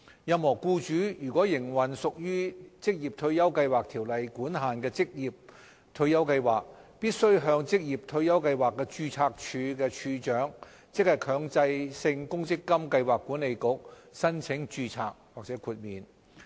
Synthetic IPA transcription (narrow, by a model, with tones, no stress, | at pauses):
jɐ˧mhɔː˨˩kuː˧t͡ʃyː˨˥jyː˨˩kʷwɔː˨˥jɪ˨˩ŋwɐ˨˩nsʊ˨k̚jyː˥t͡sɪ˥k̚jiː˨˩p̚t̪ʰɵ˧ɥjɐ˥wkɐ˧jwaː˨k̚t̪ʰiː˨˩wlɐ˨jkuː˨˥nɦaː˨nkɛː˧t͡sɪ˥k̚jiː˨˩p̚ | t̪ʰɵ˧ɥjɐ˥wkɐ˧jwaː˨˩k̚piː˥t̚sɵ˥ɥɦœː˧ŋt͡sɪ˥k̚jiː˨p̚t̪ʰɵ˧ɥjɐ˥wkɐ˧jwaː˨kːɛː˧t͡ʃyː˧t͡sʰaː˧k̚t͡ʃʰyː˧kɛː˧t͡ʃʰyː˧t͡ʃœː˨˥ŋ | t͡sɪ˥k̚hɐ˨˩jkʰœː˨˧ŋt͡sɐ˧jsɪ˧ŋkʊ˥ŋt͡sɪ˥kːɐ˥mkɐ˧jwaː˨kːuː˨˥nle˨˧jkʊ˨˥k̚sɐ˥nt͡sʰɪ˨˥ŋt͡ʃyː˧t͡sʰaː˧k̚waː˨k̚t͡sɛː˨˥kʰuː˧t̚miː˨n